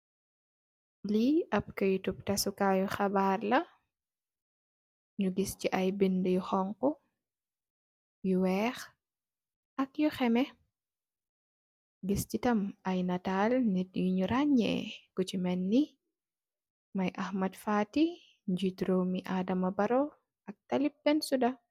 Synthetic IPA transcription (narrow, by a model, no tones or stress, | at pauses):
liʔɐp̚kɐjutup̚tɐsukajuxɐbaːrlɐ | ɲuɡisciʔɐjbindəjuxɔŋkɔ | juwɛːx | ʔɐkjuxɛmɛ | ɡiscitɐmɐjnɐtalnɛt̚juɲuɾaɲɛ̰kut͡ʃimɛnːi | mɐjʔɐxmɐdfaːti | ɲd͡ʒitɾomiʔaːdɐmɐbɐɾɔ | ɐk̚tɐlip̚ːɛnsudɐ